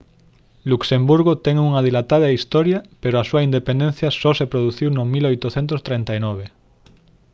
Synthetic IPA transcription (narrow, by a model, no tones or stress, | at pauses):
luksembuɾɣot̪ɛŋuŋaðilat̪aðɐist̪ɔɾjapeɾoasuaind̪epend̪enθjɐsɔsepɾoðuθiwnʊmilojt̪oθent̪̬ost̪ɾent̪ajnɔβ̞e